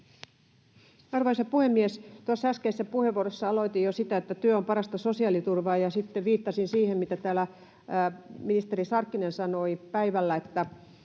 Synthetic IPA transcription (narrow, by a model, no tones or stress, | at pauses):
ɑrʋoisɑpuhemːiest̪uɑsːæskeisːæpuheʋːuorosːɑɑloit̪ijosit̪æet̪ːæt̪yøompɑɾɑst̪ɑso̞siɑːlit̪urʋɑːjɑsit̪ːeʋʋiːt̪ːɑsinsiːhemmit̪æt̪æːlæ | minist̪e̞ɾisɑrkːinensɑno̞ipæiʋælːæet̪ːæ